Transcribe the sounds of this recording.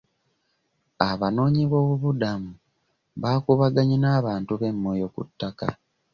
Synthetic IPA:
aβano̞ːɲiβo̞ːβuβudamu | βakuβaɡaɲinaːβaːntuβe̞mːo̞ːjo̞kṵtːaka

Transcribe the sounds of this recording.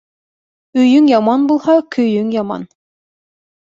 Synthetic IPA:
ɵ̆jɵŋjɑmɑnbulˠhɑkʰɵ̆jɵŋjɑmɑ̰n

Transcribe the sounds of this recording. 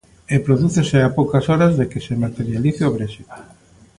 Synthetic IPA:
epɾoðuθeseapowkasoɾazðekesemat̪eɾjaliθeoβɾesiβa

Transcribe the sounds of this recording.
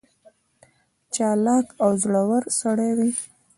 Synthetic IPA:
t͡ʃɑlɑkawzɽawaɾsaɽajwi

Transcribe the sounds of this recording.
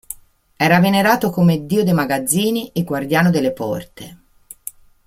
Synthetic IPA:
ɛːɾaveneɾaːt̪okomed̪ːiːod̪ejmaɡad̪zːiːniʔeɡward̪jaːnod̪elːepɔ̰rt̪e

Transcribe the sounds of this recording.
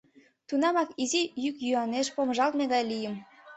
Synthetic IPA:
t̪unɑmɑkizijykjyɑneʃpoməʒɑlt̪meɣɑjlijə̆m

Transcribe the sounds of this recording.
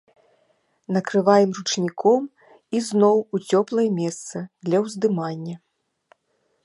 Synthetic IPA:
nɐkɾɨvajɛmrut͡ʂnʲikʰɔm | iznɔwut͡sʲɔplˠɐjɛmʲɛst̪sɐd̪lʲɐwzd̪ɨmanʲːɐ

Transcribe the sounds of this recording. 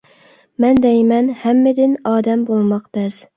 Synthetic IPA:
mɛnd̪ɛjmɛnhɛmːɪd̪ɪnɑːd̪ɛmbolˠmɑqd̪̥ɛz

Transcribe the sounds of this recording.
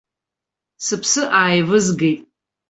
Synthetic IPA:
sɨpʰsɨʔaːjvɨzɡejtʼ

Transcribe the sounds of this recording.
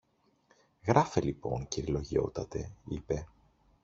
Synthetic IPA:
ɣɾɐfe̞lipo̞̰ŋciɾilo̞ʝio̞̰t̪ɐt̪e̞̰ipe̞

